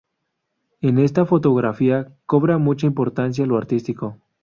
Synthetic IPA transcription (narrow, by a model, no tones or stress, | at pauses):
e̞ne̞st̪afo̞t̪o̞ɣɾafiako̞βɾamut͡ʃaimpo̞ɾt̪ans̬jaloaɾt̪ist̪iko̞